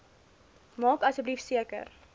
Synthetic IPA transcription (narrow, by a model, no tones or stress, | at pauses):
mɑːkɐsəblifsiəkə̰r